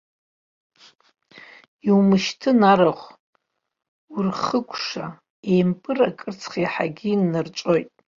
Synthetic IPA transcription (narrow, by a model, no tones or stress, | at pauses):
iwumɨʃtʰɨnaɾaχʷ | urχəkʷʰʂa | ejmpʼɨrakʼɨrt͡sʰχiħa̰ɡʲinːart͡ʃʷʼo̞jtʼ